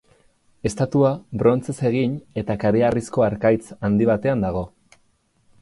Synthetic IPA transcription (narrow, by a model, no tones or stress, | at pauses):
e̞st̪at̪uabɾo̞nt͡se̞se̞ɣ̞iɲe̞t̪akaɾearisko̞aɾkajt͡sand̪iβ̞at̪e̞and̪aɣ̞o̞